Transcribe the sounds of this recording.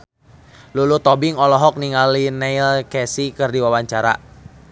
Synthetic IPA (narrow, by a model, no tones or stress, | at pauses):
lulut̪ɔbiŋɔlɔɦɔk̚niŋalinɛilkɛsikɨrdiwawaɲt͡ʃaɾa̰